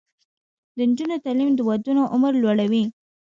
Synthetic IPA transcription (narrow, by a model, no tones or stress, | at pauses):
d̪ənd͡ʒunot̪alimd̪əwad̪unoʔʊməɾlwaɽawi